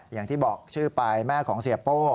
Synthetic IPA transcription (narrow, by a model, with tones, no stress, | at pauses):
jaː˨˩ŋt̪ʰiː˥˩bɔː˨˩k̚t͡ɕʰɯː˥˩pa˧jmɛː˥˩kʰɔː˩˦ŋsi˨˩əpoː˥˩